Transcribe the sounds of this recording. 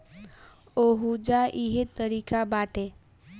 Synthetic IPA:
oɦud͡ʒaʔiɦet̪ːəɾikabaʈe

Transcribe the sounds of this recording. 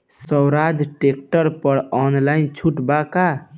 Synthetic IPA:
səwɾad̪ʱʈekʈəɾpəɾɔnlaint͡ʃʰuʈbaka

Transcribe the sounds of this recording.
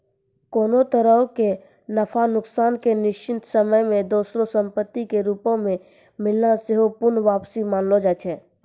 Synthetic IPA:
koːnot̪əɾəɦoke | nəpʰanʊksaːnkenɪʃt͡ʃʰɪnt̪səməjmẽd̪oːsɾosə̃mpət̪ːikeɾuːpõmẽ | mɪlnasɪɦopʊɾnʋaːpsimaːnlod͡ʒaːt͡ʃʰɛː

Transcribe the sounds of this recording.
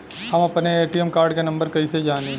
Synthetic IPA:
hɐmɐpneeːʈijemkaːɾɖkenɐ̃mbəɾkɐised͡ʒaːniː

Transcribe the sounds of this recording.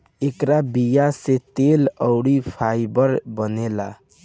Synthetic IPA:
ekɾabijaset̪eləʊɽipʰajbəɾbənela

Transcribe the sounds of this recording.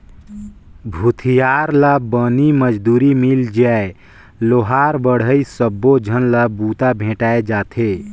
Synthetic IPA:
bʱut̪ʰijaɾlabəniməd͡ʒd̪uːɾimild͡ʒae | loɦaːɾbəɽ̤əisəbːod͡ʒʱənlabuːt̪abʱẽːʈaːed͡ʒaːt̪ʰe

